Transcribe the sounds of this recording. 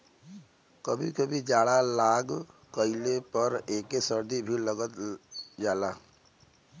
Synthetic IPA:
kəbʱikəbʱid͡ʒaːɽalaːɡkəɪlepəɾeːkesəɾd̪ibʱiləɡət̪d͡ʒaːla

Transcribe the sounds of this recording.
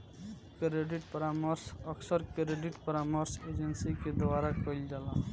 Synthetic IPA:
kɾeɖɪʈpəɾaːməɾsəksəɾkɾeɖɪʈpəɾaːməɾsed͡ʒənsiked̪ʋaːɾakəld͡ʒala

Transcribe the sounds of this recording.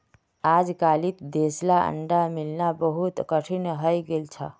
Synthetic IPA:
ad͡ʒkalit̪d̪eslaə̰ɳɖamilnabəɦut̪kəʈʰinɦəjɡelt͡ʃʰə̰

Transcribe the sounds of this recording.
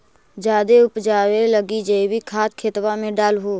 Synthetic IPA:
d͡ʒaːd̪eʊpd͡ʒaːweləɡid͡ʒɐibʱikʰaːt̪kʰeːt̪wamẽɖaːlɦoː

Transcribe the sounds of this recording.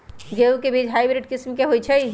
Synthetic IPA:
ɡeukebʱid͡ʒɦajbɾiʈkismkeɦojt͡ʃʰɛj

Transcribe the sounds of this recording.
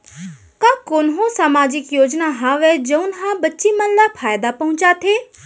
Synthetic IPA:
kãkoːnɦõsaːmaːd͡ʒɪkjoːd͡ʒnaɦaːʋɛd͡ʒɐʊnɦãbɐtːʃimɐnlapʰaːjd̪apɐɦʊ̃t͡ʃat̪ʰeː

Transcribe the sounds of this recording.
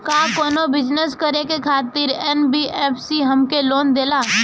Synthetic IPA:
kaːkoːnobɪd͡ʒnəskəɾekekʰaːt̪ɪɾɛnbiʔɛːpʰsiɦɐmkeloːnd̪eːlaː

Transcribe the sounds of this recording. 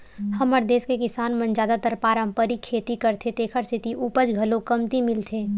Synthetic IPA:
hɐməɾd̪eːskekɪsaːnmɐ̃nd͡ʒaːd̪at̪əɾpaːɾə̃mpəɾikʰeːt̪ikəɾt̪ʰet̪eːkʰəɾsʰɪt̪iʔuːpəd͡ʒɡʱɐlõkɐmt̪imɪlt̪ʰeː

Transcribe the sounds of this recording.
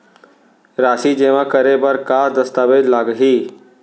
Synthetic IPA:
ɾaːsid͡ʒeːʋãkəɾebəɾkaːɾd̪əst̪aːbed͡ʒlaːɡɦi

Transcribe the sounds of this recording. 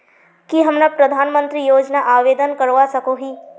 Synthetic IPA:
kiɦɐmnapɾɐd̪ʱaːnmə̃nt̪ɾijoːd͡ʒnaʔaːʋeːd̪ənkɐɾʋasɐkoɦiː

